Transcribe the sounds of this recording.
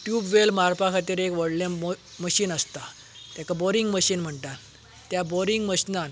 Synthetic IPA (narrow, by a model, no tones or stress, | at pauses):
ʈjubʋelmaɾpakʰat̪iːɾekʋəɽlã | məɕiːnəst̪a | t̪jãkabɔɾiŋɡməɕiːnm̤əɳt̪a | t̪jabɔɾiŋɡməɕnan